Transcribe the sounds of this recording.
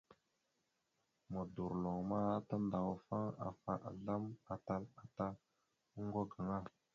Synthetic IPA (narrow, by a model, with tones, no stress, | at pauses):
mə˨du˨ɾlo˨ŋma˦a˦ta˦nda˨wa˨fa˦ŋa̰˨fa˨ʔa̰˨ɮa˦ma˨ta˦la˨ta˦ | ŋ˦ɡo˦ɡa˨ŋa˦